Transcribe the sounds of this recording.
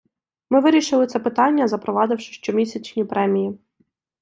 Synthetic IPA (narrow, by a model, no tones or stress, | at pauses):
mɪʋɪɾʲiʃɪlˠɪt̪sɛpɪt̪ɑnʲːɐzɐpɾɔʋɑd̪ɪwʃɪ̥ʃt͡ʃɔmʲisʲɐt͡ʃnʲipɾɛmʲiji